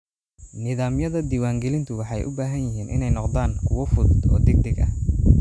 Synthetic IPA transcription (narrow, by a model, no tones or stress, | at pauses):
nɪðaːmjɐðɐd̪iːwaːŋɡɛlɪnt̪ʰʊwɑħɑjʔʊ̰baːɦɐnjɪɦiːnʔɪ̰nɛjnɔqd̪aːŋkʰʊwɔfʊðʊd̪ɔ̰ːd̪ɛɡ̚d̪ɛɡɐ̰